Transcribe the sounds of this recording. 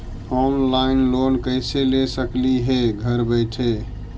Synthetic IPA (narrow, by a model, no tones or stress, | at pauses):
ɔnlaɪnlonkəɪselesəkliɦeɡʱəɾbəɪʈ̪ʰɦe